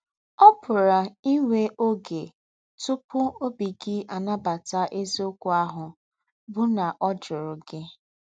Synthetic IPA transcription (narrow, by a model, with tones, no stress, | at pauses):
ɔ˦pʊ˨ɾa˨i˦ŋʷe˦ʔo˦ɡe˨ | tʊ˦pʊ˦o˦bi˨ɡɪ˦ʔa˨na˦ba˨ta˦ʔe˦zo˦kʷu˦a˦ɦʊ˨ | bʊ˦na˨ʔɔ˦d͡ʒʊ˨ɾʊ˨ɡɪ˦